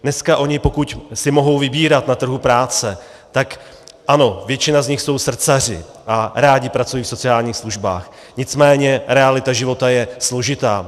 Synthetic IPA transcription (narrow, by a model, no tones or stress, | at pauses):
nɛskaʔo̞ɲɪpo̞kucsɪmo̞ɦo̞wvɪbiːɾat̪nat̪r̩ɦupɾaːt͡sɛ | t̪ak | ʔano̞vjɛt͡ʃɪnazɲɪxso̞wsr̩t͡sar̝ɪ̰ | ʔaɾaːɟɪpɾat͡sujiːfso̞t͡sɪaːlɲiːxsluʒba̰ːx | ɲɪt͡smɛːɲɛɾɛalɪt̪aʒɪvo̞t̪ajɛslo̞ʒɪt̪aː